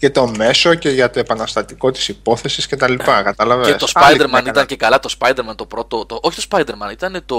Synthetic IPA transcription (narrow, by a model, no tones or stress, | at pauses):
ce̞t̪o̞me̞so̞ce̞ʝɐt̪o̞epɐnɐst̪ɐt̪iko̞t̪i̥sipo̞θe̞siscet̪ɐlipɐkɐt̪ɐlɐveest̪ospad̪e̞ɾmɐnit̪ɐnce̞kɐlɐt̪o̞spɐjd̪e̞ɾmɐnt̪o̞pɾo̞t̪ot̪ooçit̪o̞spɐjd̪e̞ɾmɐnit̪ɐne̞t̪o̞